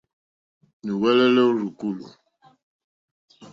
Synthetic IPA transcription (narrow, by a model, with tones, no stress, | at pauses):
ni˨wɛ˦lɛ˦lɛ˦o˦ɾu˨ku˦˨lṵ˨